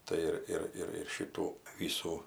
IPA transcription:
ˈtɐɪ ɪr ɪr ɪr ˈʃʲiːtuː ˈʋʲiːsuː

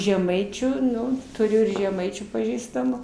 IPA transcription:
ʒʲɛˈmɐɪt͡ʃʲuː ˈnʊ tʊˈrʲʊ ɪr ʒʲɛˈmɐɪt͡ʃʲuː pɐˈʒʲiːstɐmʊ

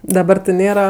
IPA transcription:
dɐˈbɐr tʲɪ ˈnʲeːrɐ

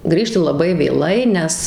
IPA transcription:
ˈɡrʲiːʃʲtʲɪ lˠɐˈbɐɪ ʋʲeːˈlˠɐɪ ˈnʲɛs

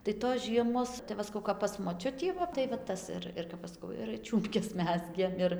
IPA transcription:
tɐɪ toːs ˈʒʲiɛmoːs tɐɪ ˈʋɐ sɐˈkɐʊ kɐp pɐs moːˈt͡ʃʲʊtʲiː ˈʋɐ tɐɪ ʋɐ ˈtɐs ɪr ɪr kɐp ˈɐʃ sɐˈkɐʊ ɪr ˈt͡ʃʲuːmʲpʲkʲɛs ˈmʲæːzʲɡʲeːm ˈɪr

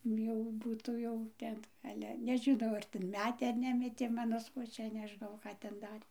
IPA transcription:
ˈjɛʊ ˈbuːtuː jɛʊ ˈtʲɛn ˈɑːlʲɛ nʲɛʒʲɪˈnɐʊ ɐr tʲɛn ˈmʲæːtʲeː ɐr ˈnʲæːmʲɛtʲeː ˈmɑːnoː sʋoːˈt͡ʃʲɛ nʲɛˈʒnɐʊ ˈkɑː tʲɛn ˈdɑːrʲeː

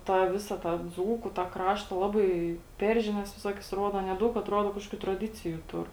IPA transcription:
tɑː ˈʋʲɪsɐ tɑː ˈd͡zuːkʊ tɑː ˈkrɑːʃtɐ ˈlˠɑːbɐɪ ˈpʲɛr ʒʲɪˌnʲɛs ʋʲɪˈsoːkʲɛs ˈruɔdɐ ˈɑːnʲiɛ ˈdɐʊk ɐtˈruɔdoː ˈkɑːʃkoːkʲʊ trɐˈdʲɪt͡sʲɪjʊ ˈtʊr

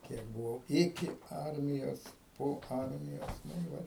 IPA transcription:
ˈkʲiɛk bʊˈʋɐʊ ˈɪkʲɪ ˈɐrʲmʲɪjoːs poː ˈɐrʲmʲɪjoːs ˈnʊ ɪ ˈʋɐt

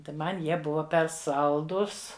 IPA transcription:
tɐɪ ˈmɐn ˈjiɛ ˈbʊʋɐ pʲɛr ˈsɐlˠdʊs

